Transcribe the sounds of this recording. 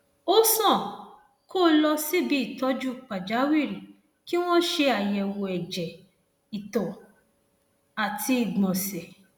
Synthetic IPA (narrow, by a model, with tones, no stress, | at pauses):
o˦sɔ̃˦˨ | ko˦˨lɔ˧si˦bi˨˦i˦˨tɔ˨˦d͡ʒu˦˨k͡pa˨d͡ʒa˨˦wi˦˨ɾi˨ | ki˦w̃ɔ̃˦ʃe˧a˨jɛ˨wo˨ɛ˨d͡ʒɛ˨ | i˨tɔ̃˨ | a˨tʰi˧i˨ɡ͡bɔ̃˨sɛ˨